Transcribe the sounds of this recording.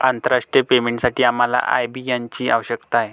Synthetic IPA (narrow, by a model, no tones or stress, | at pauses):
ant̪əɾaʂʈɾjəpemẽɳʈsaʈiːam̤ala̰ʔa̰jbʱiːjaɲt͡ɕiːa̰ʋəɕəkt̪aɦe